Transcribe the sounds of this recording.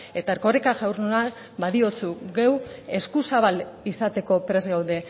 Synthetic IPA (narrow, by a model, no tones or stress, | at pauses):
e̞t̪aeɾko̞rekaʝawrnuna | baðio̞t͡suɣewe̞skusaβ̞alisat̪e̞ko̞pɾe̞zɡawðe̞